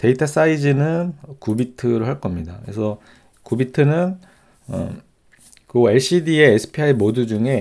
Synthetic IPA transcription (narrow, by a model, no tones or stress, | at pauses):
te̞itʰas͈aid͡ʑinɯnkubitʰɯɾoɦaɭk͈ʌmɲidakɯɾesʰʌ | kubitʰɯnɯn | ʌ̰ | kɯeɭɕ͈idieːsʰɯ̥pʰiaimodud͡ʑuŋe̞